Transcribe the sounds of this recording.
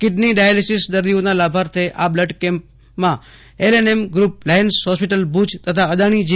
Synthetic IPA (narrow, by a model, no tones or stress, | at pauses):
kɪɖniɖajalisisd̪əɾd̪ionalabʱaɾt̪ʰeʔabləɖkẽmp̚ | mã | elenemɡɾup̚lajənsɦɔspiʈəlbud͡ʒʱt̪ət̪ʰaəd̪aɽ̃id͡ʒ